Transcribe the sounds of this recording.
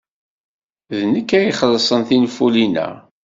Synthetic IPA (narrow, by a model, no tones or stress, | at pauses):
ðnəkːæjiχəlːsˤənθinfulinæ̰